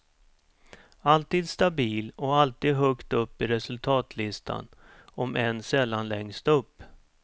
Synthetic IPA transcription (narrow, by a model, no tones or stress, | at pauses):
alt̪iːd̪st̪abiːlɔalt̪iːd̪ɦœkt̪ɵpːɪɾɛsɵlt̪ʰɑːt̪ʰlɪst̪ʰa̰n | ɔmʔɛnsɛlːanlɛŋst̪ɵpː